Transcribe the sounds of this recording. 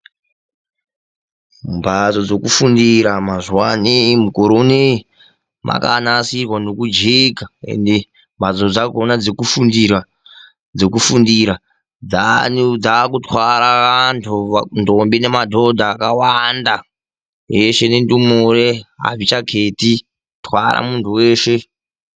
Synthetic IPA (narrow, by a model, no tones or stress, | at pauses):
mbʱat͡so̞d͡zo̞kufundiɾamazuwanimukoɾone | mʔa̰ka̰nasirwanokud͡ʒikae̞̰nde | mbʱat͡sod͡zaɡonad͡zekufundira | d͡zekufundiɾa | d͡zanud͡zakutwaɾaʋantʰuandombinemadʱo̞dʱaːkawanda | jeʃe̞nendumureɦa̰vit͡ʃakʰeːti | twa̰ra̰muntʰuweːʃe̞